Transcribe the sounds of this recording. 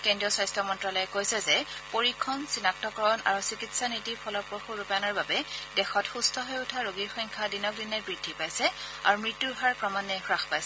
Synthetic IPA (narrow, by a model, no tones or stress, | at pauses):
kɛndɹiɔsajstɹɔmɔntɹalɔjɛkojsɛzɛpoɹikʰːɔnsinak̚tɔkɔɹɔna̰ɹusikitsanitiɹpʰɔlɔpɹoxuɹupanɔɹbabɛdɛxɔtxustʰɔɦojʊtʰaɹoɡiɹxɔŋkʰadinɔk̚dinɛbɹidʱːipajsɛ | a̰ɹumɹitːuɹɦaɹkɹɔmanːɛxɹaxpajsɛ